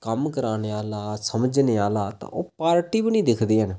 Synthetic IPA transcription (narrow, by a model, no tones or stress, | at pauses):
kəmkəɾaːneːaːlaːsəməd͡ʒneːaːlaːt̪ã̰ːʔoːpaːɾʈiːbinĩːd̪ɪkʰd̪iːɦən